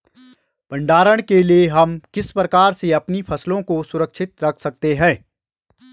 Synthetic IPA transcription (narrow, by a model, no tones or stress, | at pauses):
bɐ̃ɳɖaːɾəɽ̃kelieɦɐmkɪspɾɐkaːɾseɐpnipʰɐslõkosʊɾəkʃɪt̪ɾɐkʰsɐk̚t̪eɦɛ̃ː